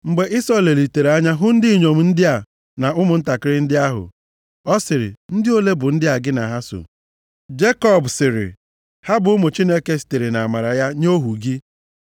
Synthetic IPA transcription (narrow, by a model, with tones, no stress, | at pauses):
ŋ͡m̩˨ɡ͡be˨ʔi˦sɔ˦˨le˨li˨te˨ɾa˦ɲa˦ɦʊ˦n̩˦dɪ˦i˨ɲo˨m̩˨n̩˦dɪ˦a˨ | na˨ʊ˦mʊ˨n̩˦ta˨kɪ˦ɾɪ˦n̩˦dɪ˦a˦ɦʊ̰˨ | ɔ˦sɪ˨ɾɪ̰˨n̩˦dɪ˦o˦le˦bʊ˨n̩˦dɪ˦a˨ɡɪ˦na˨ɦa˦so̰˨ | d͡ʒe˦kɔ˦˨bsɪ˨ɾɪ̰˨ | ha˦bʊ˨ʊ˦mʊ˨t͡ʃi˦ne˦ke˨si̥˨te˨ɾe˨na˨a˨ma˨ɾa˨ja˦ɲo˦ɦu˨ɡi˦